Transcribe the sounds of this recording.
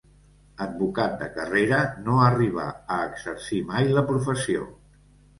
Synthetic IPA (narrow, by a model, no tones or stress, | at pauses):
əd̪̚bukat̪̚d̪əkəreɾənoəriβ̞ə̰əːɡzəɾsimajləpɾufəsio̰